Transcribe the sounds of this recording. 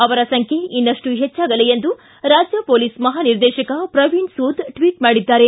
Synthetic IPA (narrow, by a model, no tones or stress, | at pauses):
ɐʋɐɾɐsɐŋkʰe̞inːɐʂʈuɦet͡ʃːaːɡɐlejend̪u | ɾaːd͡ʒjɐpoːlismɐɦaːniɾd̪ɛːʃɐkɐpɾɐʋinsuːd̪ʈʋiːʈmaːɽid̪ːaːɾe̞